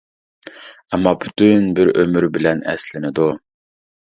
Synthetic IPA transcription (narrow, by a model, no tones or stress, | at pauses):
ɛmːɑpʰy̥t̪ʰynbɪɾømyɾbɪlɛnɛ̰slɪnɪd̪u